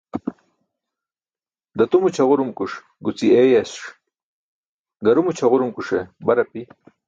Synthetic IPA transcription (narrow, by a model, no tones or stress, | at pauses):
d̪ɐt̪umut͡ɕʰɐʁuɾumkuʂ | ɡut͡siejɐsʂ | ɡɐɾumut͡ɕʰɐʁuɾumkuʂebɐɾɐpi